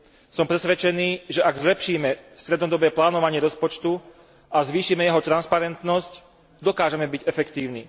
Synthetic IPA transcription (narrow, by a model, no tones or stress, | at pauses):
sɔmpɾɛsʋɛt͡ʃɛniːʒɛʔaɡzlɛpʃiːmɛst̪ɾɛd̪nɔd̪ɔbɛːplaːnɔʋaɲɪɛɾɔspɔt͡ʃt̪u | azʋiːʃiːmɛjɛɦɔt̪ɾanspaɾɛnt̪nɔsc | d̪ɔkaːʒɛmɛbiɟɛfɛkt̪iːʊnḭː